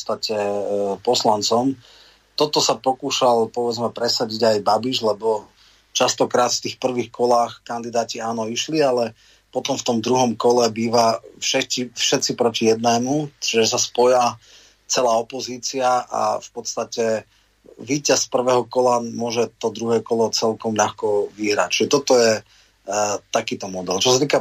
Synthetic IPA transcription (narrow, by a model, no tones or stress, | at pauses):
st̪acɛpɔslant͡sɔm | t̪ɔt̪ɔsapɔkuːʃalpɔʋɛd͡zmɛpɾɛsaɟiɟajbabiʒlɛbɔ | t͡ʃast̪ɔkɾaːt̪ft̪iːxpr̩ʋiːxkɔlaːxkand̪id̪aːciaːnɔiʃlialɛ | pɔt̪ɔmft̪ɔmd̪ɾuɦɔmkɔlɛbiːʋafʃɛcifʃɛt̪t͡sipɾɔcijɛd̪̚nɛːmut͡ʃiʒɛsaspɔja | t͡sɛlaːɔpɔziːt͡siaa̰fpɔt̪st̪acɛ | ʋiːcaspr̩ʋɛːɦɔkɔlamʊɔʒɛt̪ɔd̪ɾuɦɛːkɔlɔt͡sɛlkɔmʎaxkɔʋiɦɾa̰c̚t͡ʃiʒɛt̪ɔt̪ɔjɛ | t̪akiːt̪ɔmɔd̪ɛlt͡ʃɔsat̪iːka